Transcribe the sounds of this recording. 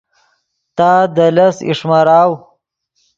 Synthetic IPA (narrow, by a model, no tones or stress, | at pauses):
t̪aːd̪əlɐsḭʂmaɾaːw